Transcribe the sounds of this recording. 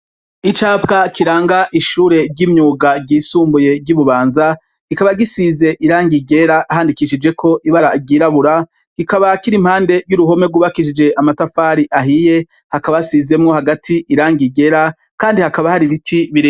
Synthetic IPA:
it͡ʃaːpkakʰiɾaːŋɡaʔiʃuːɾe̞ɟimɲuːɡabɟiːsuːmbuje̞bɟuβuβaːnza | ɡ̥ikaβaɡisize̞ʔiɾaːŋɡiɡe̞ɾaʔɦaːndikiʃid͡ʒe̞kʰo̞ʔiβaɾaiɡiːɾaβuɾa | ɡ̥ikaβakiɾimhaːnde̞juɾuɦo̞me̞ɡuːβakiʃ̬id͡ʒe̞ʔamatafaːɾiʔaɦije̞ | hakaβasize̞mŋo̞haɡatʰiʔiɾaːŋɡiɡe̞ɾa | kaːndihakaβahaɾiβitʰiβiɾi

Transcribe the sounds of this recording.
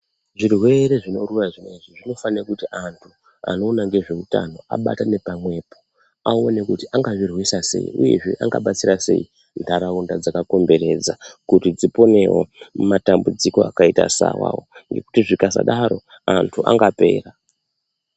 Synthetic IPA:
ʐirwe̞ɾe̞ʐino̞ruraʐimweiʐiʐino̞faneakutiʔantʰu | a̰no̞ːnaŋɡe̞ʐe̞uta̰no̞a̰ɓa̰tane̞pamwe̞ːpo̞ | aone̞kutiʔaŋɡaʐirwisase̞̰ḭuje̞̰ʐḛʔaŋɡa̰ɓat͡siɾase̞̰i | ndʱaɾaundad͡zakako̞mbe̞ɾe̞d͡zakutid͡zipo̞ne̞o̰matambud͡ziko̞akaitasa̰wa̰woŋɡe̞kutiʐikasa̰ɗaɾo̞ | antʰuʔa̰ŋɡape̞̰ːra

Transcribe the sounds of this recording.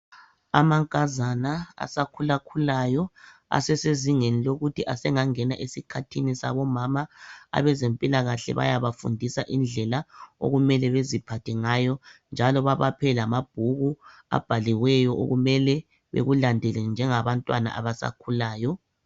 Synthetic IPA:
a̰maŋkʼazanaa̰sakʰulakʰulajɔa̰sɛseziŋeniloɣutʰiʔasɛŋaŋɛnaʔesikʰatʰinisa̰βɔmamaa̰βɛzempʼilaɣaɬɛ̰βa̰jaβafṵndʱisaʔind͡ɮʱɛlao̰ɣumɛlɛβezipʰatʰɛŋajɔnd͡ʒʱalɔβaβapʰɛlamab̥̚ʱuɣu | a̰b̥ʱaliwɛjɔʔo̰ɣumɛlɛ | βḛɣulandʱɛlɛnd͡ʒʱɛŋaβantʼwana̰ʔaβasa̰kʰulaːjɔ

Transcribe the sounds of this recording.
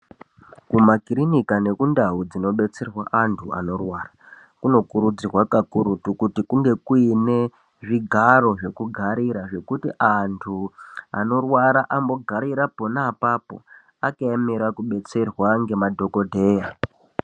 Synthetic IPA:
kumakirinikane̞kundaud͡zino̞ɓe̞t͡se̞rwaʔantʰua̰no̞rwaːra | kuno̞kuɾud͡zirwakakuɾutukutikuŋɡe̞kuine | ʐiɡʱaro̞ʐe̞kuɡʱaɾiɾaʐe̞kutiʔantʰua̰no̞rwaɾaʔambo̞ɡʱaɾiɾapo̞naːpapo̞̰ | akaemiɾakuɓe̞t͡se̞rwaŋɡe̞madʱo̞ko̞dʱe̞ːja

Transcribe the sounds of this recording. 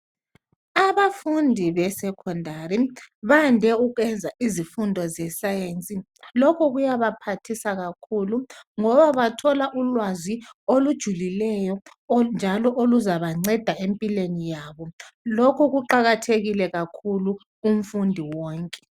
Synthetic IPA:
aβafundʱiβɛsɛkʰɔndʱaɾiβandʱɛuɣɛnd͡zʱaʔizifundʱɔzɛsajent͡sʼi | lɔkʰɔɣujaβapʰatʰisaɣakʰuluŋɔβaβatʰɔlaʔulwaziolud̥ʒ̥ʱulilɛjɔ | nd͡ʒʱalɔʔoluzaβaŋ͡ǀɛd̥ʱaempʼilenijaːβɔlokʰɔɣuǃaɣatʰeɣilɛɣakʰulu | um̩fundʱiwɔːŋkʼɛ̥

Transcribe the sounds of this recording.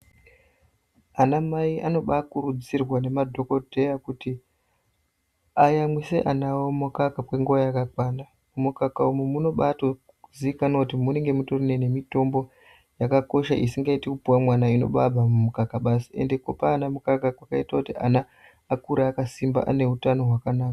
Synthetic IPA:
anamaiʔano̞ɓakurud͡zirwane̞madʱo̞ko̞dʱe̞jakuti | ajamwiseʔanawomukakapwe̞ŋɡuʋajakakwaːna | mumukakaumumuno̞ɓato | uziikanokut̬imune̞ŋɡe̞mutorine̞ne̞mito̞mbo̞ | jakako̞ʃaʔisiŋɡaitikupuwamwanaino̞̰ɓabʱamumukakaɓasie̞̰ndeko̰paːnamukakakwakaitakutia̰naː | kuɾaːkasimba̰ʔa̰ne̞utano̞ɦwakanaːka

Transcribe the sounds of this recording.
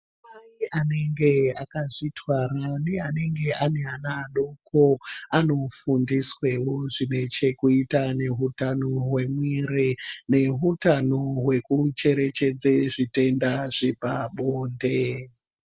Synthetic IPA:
maiane̞ŋɡe̞akaʐitʰwaɾaneane̞ŋɡe̞ane̞anaɗokʰoano̞fundiswe̞wo̞ʐine̞t͡ʃe̞kuitane̞ɦutanoɦwe̞mwirene̞ɦutano̞ɦwe̞kut͡ʃe̞ɾe̞t͡ʃe̞d͡zeʐite̞ndaʐepaɓoːnde̞

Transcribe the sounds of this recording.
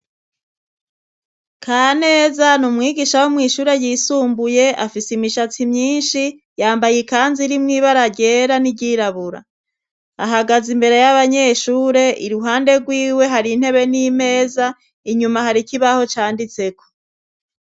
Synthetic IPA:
kʰaːne̞ːzanumŋiːɡiʃawomŋiːʃuːɾe̞jiːsuːmbuje̞afisimiʃat͡simɲiːnʃi | jaːmbajekaːnziɾimŋiːβaɾaɟe̞ːɾaniɟiːɾaβuɾa̰ | aɦaɡazimbe̞ɾe̞jaβaɲe̞ːʃuːɾe̞ʔḭɾuɦaːnde̞ɡwiːwe̞ɦaɾin̥he̞βe̞nime̞ːza | iɲumaɦaɾikiβaho̞t͡ʃaːndit͡se̞ko̥

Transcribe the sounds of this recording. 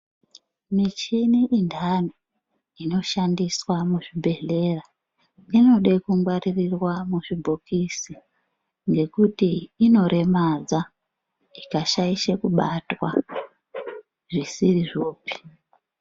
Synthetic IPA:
mit͡ʃiniʔindʱani | ino̞ʃandiswamuʐibʱe̞ɮe̞ra | ino̞ɗekuŋɡwaririrwamuʐibʱokisi | ŋɡe̞kutiːno̞ɾʔe̞mad͡za | ikaʃaiʃekuɓatwa̰ | ʐisiriʐo̞ːpi̥

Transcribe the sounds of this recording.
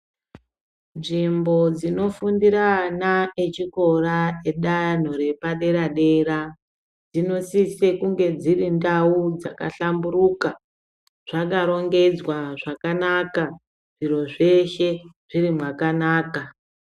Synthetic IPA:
nʐimbo̞d͡zino̞fundiɾanaet͡ʃiko̞raeɗajan̤o̞ɾe̞paɗe̞ɾaɗe̞ra | d͡zino̞sise̞kuŋɡe̞d͡zirindaud͡zaka̰ɬamburuka | ʐ̥akaɾo̞ŋɡe̞d͡zwaʐakanaka | ʐ̥iro̞ʐe̞ʃe̞ʐ̥irimwakanaːka

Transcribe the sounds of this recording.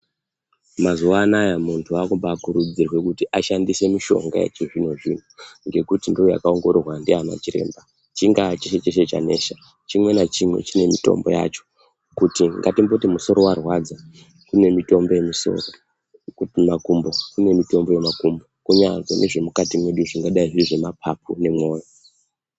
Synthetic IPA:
mazuʋaːnajamuntʰuakumbaːkuɾud͡zirwe̞kutiʔaʃandise̞miʃo̞̰ŋɡa̰jḛt͡ʃeʐin̤o̞ʐin̤oŋɡe̞kutindooja̰kaoŋɡo̞ɾorwandiana̰t͡ʃiɾe̞̰mba | t͡ʃiŋɡat͡ʃeʃet͡ʃeʃet͡ʃa̰ne̞ʃa | t͡ʃimwe̞nat͡ʃimwe̞̰t͡ʃine̞mito̞̰mbo̞̰ja̰t͡ʃo̥ | kutiŋɡatimbotimuso̞ɾo̞warwad͡za | kune̞mito̞mbo̞je̞miso̞̰ro | kmakumbokune̞mito̞mbo̞je̞makumbokuɲaŋɡenʔe̞ʐe̞mukatimwe̞ɗuʐiŋɡaɗaiʐiriʐe̞mapʰapune̞mwo̞ːja

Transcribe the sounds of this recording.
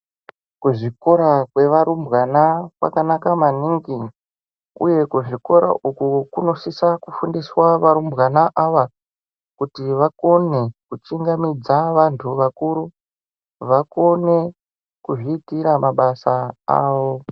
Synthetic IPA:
kuʐiko̞ɾakwe̞ʋaɾumbɣanakwa̰kanakamaniŋɡi | ṵje̞kuʐiko̞ɾa̰ʔukukuno̞sisakufundiswaʋaɾumbɣanaʔaʋa | kutiʋako̞nekut͡ʃiŋɡamid͡zaʋantʰuʋakuɾu | ʋako̞ne̞ | kuʐiːtiɾamaɓasaa̰ːʋo̞

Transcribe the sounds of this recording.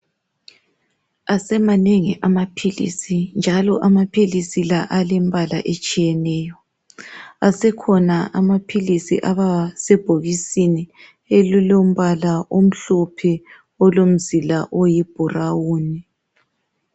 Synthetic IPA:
asɛmaneŋiʔamapʰilḭsind͡ʒʱalɔ̰ʔamapʰilisilaʔalɛmbʱalaʔet͡ʃʼijɛnɛːjɔ | asɛkʰɔnaʔamapʰilisḭʔaβasɛb̥ʱoɣisini | elulom̩βalaʔom̩ɬɔpʰɛ | ɔlom̩zilaʔojib̥ʱurawuːni

